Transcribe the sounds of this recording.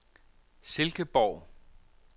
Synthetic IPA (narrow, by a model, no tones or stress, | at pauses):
se̝lɡ̥əb̥ɒʊ̰